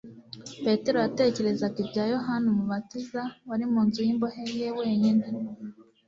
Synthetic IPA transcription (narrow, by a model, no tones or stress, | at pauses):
pe̞te̞ɾo̞jate̞ːce̞ɾe̞zakibɟaːjoɦanumuβatizawaɾimuːnzujimbohejewe̞ːɲine